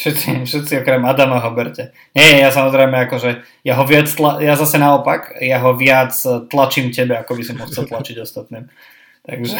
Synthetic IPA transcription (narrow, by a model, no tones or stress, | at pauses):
ʃɛt̪t͡sifʃɛt̪t͡siɔkɾɛmad̪amaɦɔbɛɾcɛ | ɲɛjɛjasamɔzɾɛɪmɛakɔʒɛ | jaɦɔʋɪat͡st̪lajazasɛnaɔpakjaɦɔʋɪat͡st̪lat͡ʃiːmcɛbɛakɔbisɔmɔxt͡sɛlˠt̪lat͡ʃiɟɔst̪at̪niːm | t̪a̰ɡʒɛ